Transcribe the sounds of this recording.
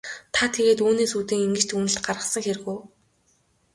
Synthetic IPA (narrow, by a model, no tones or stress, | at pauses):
t̪ʰat̪ʰeɣeːt̪uːneːsuːt̪iːŋiŋɡɘ̆t͡ɕt̪xunɘ̆ɬt̪ɢarʁə̆χsə̆ŋxeɾɘ̆ɣuj